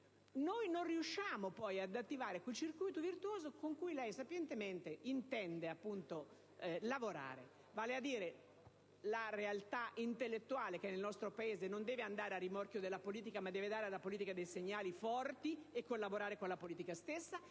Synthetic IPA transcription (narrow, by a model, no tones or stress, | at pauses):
nojnonriuʃːaːmopɔjad̪at̪ːivaːɾekwelt͡ʃirkujt̪ovirt̪uoːzokoŋkujlɛjsapjɛnt̪ement̪eint̪ɛnd̪eapːunt̪o | lavoɾa̰ːɾe | vaːlead̪ːiːɾe | larealt̪aʔint̪elːet̪ːuaːlekenelnɔst̪ɾopaeːzenond̪ɛːveand̪aːɾearːimɔrkjod̪elːapoliːt̪̬ikamad̪ːɛːved̪aːɾealːapoliːt̪ikad̪ejseɲːaːlifɔrt̪iekːolːaboɾaːɾekonlapoliːt̪ikast̪esːa